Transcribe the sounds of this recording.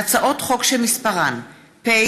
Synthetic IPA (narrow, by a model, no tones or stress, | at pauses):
t͡saʔo̞tχo̞kʃelmispaʁan | pe